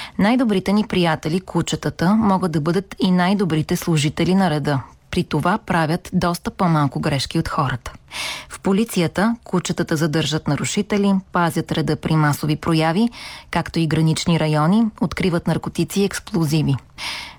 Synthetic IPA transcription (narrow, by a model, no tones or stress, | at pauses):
najd̪obɾit̪ɛnipɾijat̪ɛlikut͡ʃət̪ət̪əmɔɡəd̪̚d̪ɐbɤd̪ət̪inajd̪obɾit̪ɛslˠʊʒit̪ɛlinɐɾɛd̪ɤpɾit̪ovapɾavʲət̪d̪ɔst̪əpɔmalˠkʊɡɾɛʃkiot̪xɔɾət̪ə̥fpolit̪sijət̪əkut͡ʃət̪ət̪əzɐd̪ɤɾʒət̪nɐɾʊʃit̪ɛlipazʲjət̪ɾɛd̪ɤpɾʔimasovipɾojavikakt̪oiɡɾɐnit͡ʃniɾɐjɔniot̪kɾivət̪nɐɾkot̪it̪siɛksplˠozivi